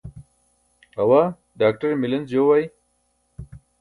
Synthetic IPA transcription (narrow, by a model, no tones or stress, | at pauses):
awa | ɖaːk̚ʈɐɾmɪlɐnzjowaj